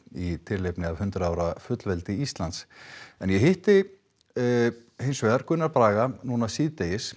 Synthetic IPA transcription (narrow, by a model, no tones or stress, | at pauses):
it̪ʰɪllejpnɪavhʏnt̪ɾaaːwɾafʏt̪lvɛlt̪ɪist̪lant̪sɛnjɛɦɪht̪ɪ | hejnsvɛðaɾkʏnːaɾpɾaːɣanunasiːðt̪ejɪs